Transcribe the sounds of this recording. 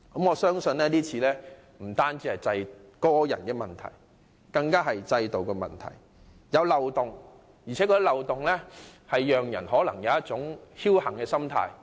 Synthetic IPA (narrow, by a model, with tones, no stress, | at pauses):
kɐ˨˥mŋɔː˨˧sœː˥ŋsɵ˧nlɛː˥niː˥t͡sʰiː˨˧lɛː˥ | m̩˨˩t̪aː˥nt͡siː˥hɐ˨jt͡sɐ˧jkɔː˥jɐ̰˨˩nkɛː˧mɐ˨˩nt̪ʰɐ̰˨˩j | kɐ˧ŋkaː˥ɦɐ˨jt͡sɐ˧jt̪o˨wkɔː˧mɐ̰˨nt̪ʰɐ̰˨˩j | jɐ˨˧wlɐ˨wt̪ʊ˨ŋ | jiː˨˩t͡sʰɛː˨˥kɔː˧d̪i˥lɐ˨wt̪ʊ˨ŋlɛː˥hɐ˨jːœː˨ŋjɐ̰˨˩nɦɔː˨˥lɐ̰˨˩ŋjɐ˨˧wjɐ˥t̚t͡sʊ˨˥ŋhi˥whɐ˨˩ŋkɛː˧sɐ˥mt̪ʰa̰ː˧j